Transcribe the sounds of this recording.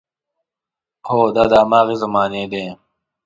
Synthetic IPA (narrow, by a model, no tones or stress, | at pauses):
hoːd̪aːd̪aːmaːɣizɐmaːneːd̪ẽː